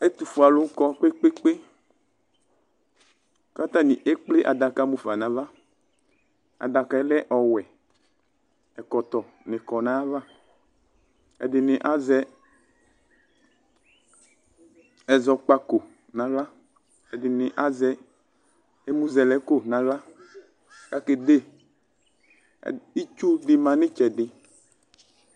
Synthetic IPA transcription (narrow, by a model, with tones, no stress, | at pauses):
e˦t̪u˨fu˨a˨lʊ˦kɔ˦k͡pe˦k͡pe˦k͡pe˦ | ka˦t̪a˦ni˨ʔe˦k͡plɪ˦ʔa˨da˨ka˦mũ˨fa˨nã˨˦va˦ | a̰˨da˨ka˨ɛ˦lɛ˦ʔɔ˨wɛ˨ | ɛ˨kɔ˨t̪ɔ˨ | nɪ̃˨kɔ˨nã˦va˦ | ɛ̰˨dɪ˨nɪ̃˨ʔa˦zɛ˦ | ɛ˨zɔ˨k͡pa˦ko˨ | nã˨la˦ | ɛ˨dɪ˨nɪ̃˨ʔa˦zɛ˦ | ɛ˦mũ˦zɛ˨lɛ˨ko˦nã˨ɣla˦ | ka˨kɪ˨de˦˨ | i˦t͡ʃu˦dɪ˨mã˨nɪ̃˦t͡ʃɛ˨dɪ˨